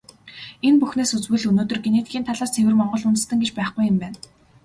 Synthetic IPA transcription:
enpuxneːsut͡swŭjɮɵnoːt̪ɵ̆rɡeneːt̪ɡʲiːnt̪ʰaɮaːst̪ʰewɘ̆rmɔɴɢɞ̆ɮʊnt̪̆st̪ə̆ŋɡet͡ɕpæːχɡujɪ̆mpæːn

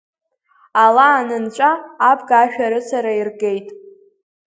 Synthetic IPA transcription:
alaːnɨnt͡ʃʷʼaːpʰʼɡaʃᶣaɾɨt͡sʷʰaɾairɡe̞jtʼ

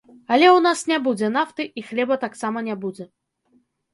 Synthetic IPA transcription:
ɐlʲɛwnasnʲabud͡zʲɛnaft̪ɨʔixlʲɛbɐt̪aksamɐnʲabud͡zʲɛ

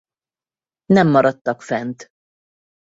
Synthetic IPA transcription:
nɛmːɒɾɒt̪ːɒkfɛnt̪

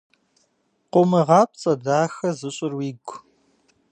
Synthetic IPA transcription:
qʷʊmɨʁɑːp̚t͡sʼɐdaːxɐzɨɕʼɪrwiːɡʷ

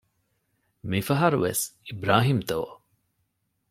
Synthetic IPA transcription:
mifɐɦɐɾuʋḛsibɾaːɦimt̪oː

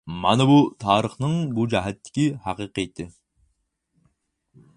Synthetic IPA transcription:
mɑ̰nɨbut̪ʰɑːɾəχnɨŋbud͡ʒɛɦɛt̪ːɪ̥kʲihɑqɨqɨjt̪ʰːɨ

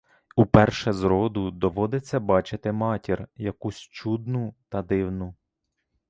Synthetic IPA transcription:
upɛrʃɛzɾɔd̪ʊd̪ɔʋɔd̪ɪt͡sʲːɐbɑt͡ʃɪt̪ɪmɑtʲirjɐkusʲt͡ʃud̪̚nʊt̪ɐd̪ɪwnʊ

